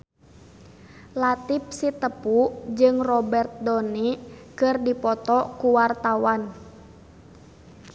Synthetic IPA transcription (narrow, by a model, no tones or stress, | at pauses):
lat̪ip̚sit̪əpud͡ʒɨŋrɔbɛrt̪̚dɔnikɨrdipɔt̪ɔkuwart̪awan